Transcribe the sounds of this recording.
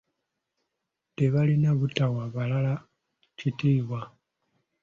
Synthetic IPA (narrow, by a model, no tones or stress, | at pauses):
deβalinaβutawaβalala | citiːβwa